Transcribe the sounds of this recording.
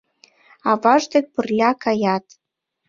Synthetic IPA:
ɑvɑʒd̪ĕk̚pɤrlʲɑkɑjɑt̪

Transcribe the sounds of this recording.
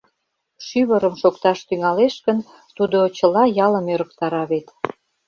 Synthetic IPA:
ʃyβəɾəmʃokt̪ɑʃt̪yŋɑleʃkən | t̪ud̪ot͡ɕəlɑjɑləmøɾə̆k̚t̪ɑɾɑβet̪

